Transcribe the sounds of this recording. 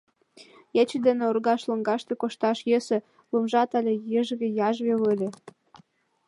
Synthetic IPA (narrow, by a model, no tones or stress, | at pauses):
jet͡ɕed̪enĕorɣɑʃlɤ̆ŋɡɑʃt̪ekoʃt̪ɑʃjesĕ | lumʒɑt̪ɑlʲĕjə̆ʒɣʲejɑʒβewəlʲĕ